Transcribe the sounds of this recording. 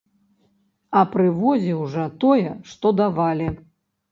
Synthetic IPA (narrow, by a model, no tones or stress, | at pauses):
ɐpɾɨvɔzʲiwʐɐt̪ɔjɛʂt̪ɔd̪avalʲi